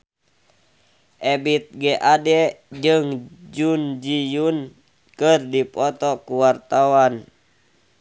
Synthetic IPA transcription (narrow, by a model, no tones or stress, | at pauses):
ʔɛbit̪̚ɡɛʔadɛd͡ʒɨŋd͡ʒund͡ʒijun | kɨrdipɔt̪ɔkuwart̪awan